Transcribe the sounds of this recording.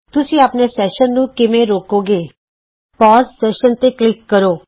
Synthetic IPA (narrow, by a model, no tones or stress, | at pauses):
t̪ʊsĩːaːpneːsɛːʃənːũːkɪmẽɾoːkoːɡeː | pɔːssɛːʃənt̪eːklɪkːəɾoː